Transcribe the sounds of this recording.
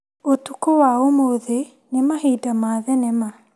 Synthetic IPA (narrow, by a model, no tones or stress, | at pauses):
otukowaomoðe | nemahidamaːðɛnɛma